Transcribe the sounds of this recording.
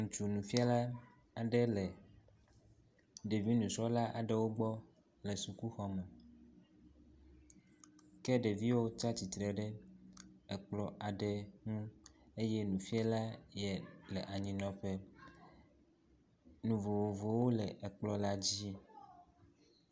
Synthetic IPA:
ŋũ˨t͡ʃu˨nũ˨fi˦a˦la˦ | a˨ɖɛ˦lɛ˨ | ɖe˨vi˦nũ˨sɔ˦la˦ʔa˨ɖɛ˦wo˦ɡ͡bɔ˦ | lɛ˨su˨ku˦xɔ˦mɛ˨ | kɛ˦ɖe˨vi˦wo˦t͡ʃa˦t͡ɕi˨t̪ɾɛ˨ɖɛ˦ | ɛ˨k͡plɔ˨ʔa˨ɖɛ˦ŋũ˦e˦jɛ˦nũ˨fi˦a˦la˦jɛ˨lɛ˨ʔa˨ɲĩ˨nɔ̃˨ɸɛ˦ | nũ˨vo˨wo˨vo˨wo˦lɛ˨ʔɛ˨k͡plɔ˦la˦d͡ʑi˦

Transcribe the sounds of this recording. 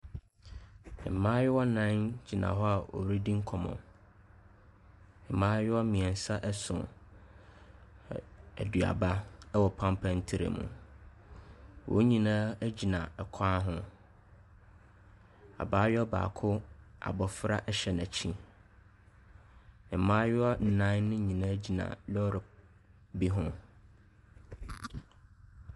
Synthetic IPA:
m̩˨mãː˦jɛ˦wɔ˦nã˦nd͡ʑi˨nã̰˨ɦɔ˦a˨ʔo̰˨wɾi˦dĩ˦ŋ̩˦kʰɔ˨mɔ̰̃˨ | mãː˦ɥɛ˦wɔ˦mĩ˨ɛ˨n˦sa˦ʔɛ˦sʊ̰̃˨ | æ˨du˨a̰˨ba˦ɛ˦wɔ˨pʰã˦mpʰã˦n˦tʰɪ˦ɾḛ˨mṵ̃˨ | wʔo̰˦ɲĩ˨nãː˦æ˦d͡ʑi˨nã˨ɛ˨kʰaː˦ɦʊ̃˦ | a̰˨baː˦ɥɔ˦ba̰ː˨kʰʊ˦a̰˨bɔ˨fɾa˦ʔɛ˦ɕɛ˨næ̃˨t͡ɕʰĩ˦ | ɪ̃˨mã˦jɔ˦n̩˨nã˦nʊ̃˦ɲĩ˨nã˦d͡ʑi˨nã̰˨lɔ˦ɾɪ˨ | bi˦ɦʊ̃˦

